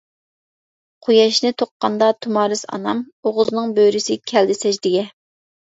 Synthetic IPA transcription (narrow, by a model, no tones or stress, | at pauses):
qʰojɑʃnɪt̪ʰoqːɑ̰nd̪ɑt̪ʰumɑːɾɨsɑ̰nɑ̰m | oʁʊznɨŋbøɾysɪkʲʰɛld̪ɪsɛʃd̪ɪɡʲɛ